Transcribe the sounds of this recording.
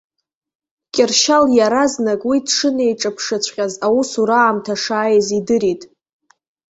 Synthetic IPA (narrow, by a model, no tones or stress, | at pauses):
kʲʼɪrʃaljaɾaznakʼwidʂɨne̞jʈ͡ʂʼapʰʂat͡ɕʷʰʼχʲazawusuɾaːmtʰaʂaːjzidɨɾitʼ